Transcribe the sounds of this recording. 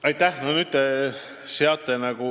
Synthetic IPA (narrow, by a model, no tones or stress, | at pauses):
ɑjt̪ːˑæhnonyːd̪̚e | seɑt̪ːˑenɑɡ̥u